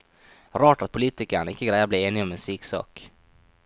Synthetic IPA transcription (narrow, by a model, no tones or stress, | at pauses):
ɾɑːʈat̪̚pʰʊliːt̪ɪkaɳaɪkːəɡɾæjːablɛːeːnɪɡɔmɛnsiːksɑ̰ːk